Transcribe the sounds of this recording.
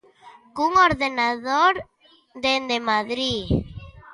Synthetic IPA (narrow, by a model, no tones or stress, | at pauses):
kuŋoɾðenaðoɾ | d̪end̪emaðɾi